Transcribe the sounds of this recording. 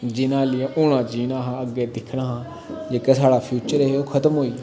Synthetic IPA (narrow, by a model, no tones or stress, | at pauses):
d͡ʒɪnãːlɪãʔʊːɽ̃ãːd͡ʒiːnãːɦãːəɡeːd̪ɪkʰɽ̃aːɦãː | d͡ʒeːkeːsaːɽaːpʰjuːt͡ʃəɾeːeoːkʰət̪əmɦoːiː